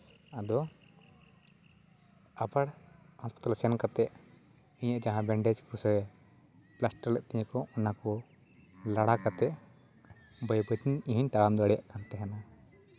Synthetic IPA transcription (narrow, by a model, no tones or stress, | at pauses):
ad̪ɔ | abaɽhɔspi̥t̪alsɛnkat̪ɛʔ | iɲaʔd͡ʒaɦãbɛɳɖɛd͡ʒkɔsəwɛ | plasʈəɾlɛʔ̚t̪ɛɲɛkɔɔnakɔ | laɽakat̪ɛʔ | bəjbət̪iɲiɦuɲt̪aɽamd̪ɔaɽɛjaʔkant̪ɛɦana